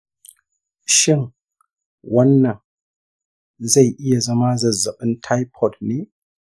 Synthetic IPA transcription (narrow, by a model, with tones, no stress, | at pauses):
ʃɪ˦˨n | wɐ˦nːɐ˨ŋ | za˦˨jʔɪ˦ja˨zɐ˦ma˦zɐ˨zːɐ˨ɓɨ˦ntʰa˦jpʰɔ˨tne˦